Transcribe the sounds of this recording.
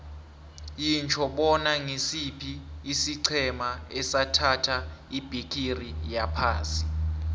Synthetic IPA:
jint͡ʃʰɔɓɔnaŋesipʰiːsiǀʰɛmaɛsatʰatʰaib̥ʱikʰʼirijapʰaːnsʼi

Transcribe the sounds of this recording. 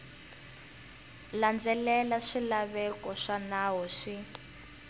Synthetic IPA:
land͡zɛlɛlaʂilaβɛkɔʂanaɦɔʂi

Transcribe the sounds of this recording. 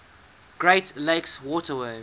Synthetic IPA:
ɡ̥ɹeɪtleɪkswɔtəwɜː

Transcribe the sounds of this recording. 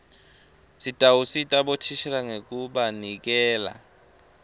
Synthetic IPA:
sitʼawusitʼaɓotʰiʃɛlaŋek̬ʼuɓanik̬ɛːla̰

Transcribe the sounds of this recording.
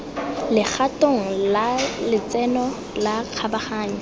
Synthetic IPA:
lɪk͡xʰatoŋ̩lalɪt͡sɛnɔ | laq͡χʰabaχaːɲ̩

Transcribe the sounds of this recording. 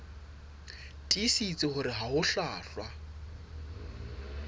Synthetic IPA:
tʼisit͡sʼɪχʊɾɪɦaɦʊɬaːɬwa

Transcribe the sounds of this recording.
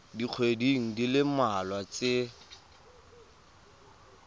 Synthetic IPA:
diq͡χʰwediŋ̩dilɪmalwat͡sɪ

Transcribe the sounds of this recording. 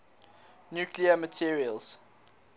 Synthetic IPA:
njuːkliəmətʰiɹiəlz̥

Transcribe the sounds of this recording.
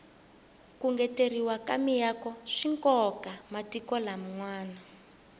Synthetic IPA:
kuŋɡɛteriwakamijakɔʂiŋkɔkamatikɔlam̩ŋwaːna

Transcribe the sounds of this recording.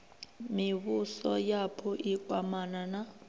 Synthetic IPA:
miβusɔjapʰɔʔiɡwamanana

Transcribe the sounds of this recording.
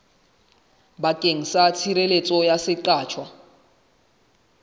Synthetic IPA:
bakʼeŋ̩sat͡sʰiɾelet͡sʼɔjasɪǃaːt͡ʃʰwa

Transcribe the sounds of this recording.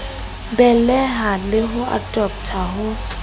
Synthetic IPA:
bɛlɛɦalɪɦʊa̰dʼɔp̚tʰaɦʊ

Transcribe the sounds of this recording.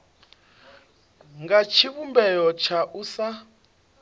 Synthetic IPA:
ŋɡat͡ʃʰiβumbɛjɔt͡ʃʰaʔusa

